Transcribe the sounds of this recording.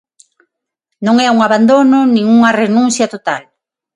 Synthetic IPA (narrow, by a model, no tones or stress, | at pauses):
nõŋɛuŋaβand̪onʊnĩŋuŋɐrenũn̟θjɐt̪ot̪al